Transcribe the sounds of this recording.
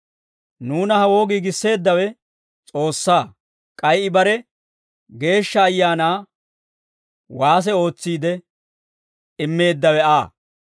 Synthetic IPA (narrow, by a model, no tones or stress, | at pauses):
nuːnɐhɐwo̞ːɡiːɡɪsːe̞ːd̪ːɐwɛ | t͡sʼo̞ːsːaː | kʼɐjɪbɐɾɛ | ɡe̞ːʃːɐːjːaːnaː | waːs̬ɛo̞ːt͡sːiːd̪ɛ | ɪmːe̞ːd̪ːɐwɛaː